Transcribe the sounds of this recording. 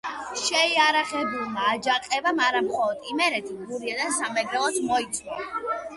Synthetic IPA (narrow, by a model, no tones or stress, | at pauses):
ʃɛiaɾaχɛbulˠmaːd͡ʒaqʼɛbamaɾamχɔlˠɔt̪imɛɾɛt̪ʰiɡuɾiad̪asamɛɡɾɛlˠɔt̪ʰmɔit̪sʰʼna